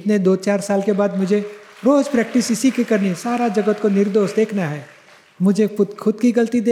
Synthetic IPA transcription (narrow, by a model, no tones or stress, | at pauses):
t̪ned̪oːt͡ʃaːɾsaːlkebaːd̪mʊd͡ʒʱe | ɾoːd͡ʒpɾɛːk̚ʈɪsɪsikekɐɾnisaːɾad͡ʒɐɡət̪konɪɾd̪oːʃʈd̪eːkʰnaɦɛː | mʊd͡ʒʱeʊxʰʊd̪kiɡɐlt̪id̪eː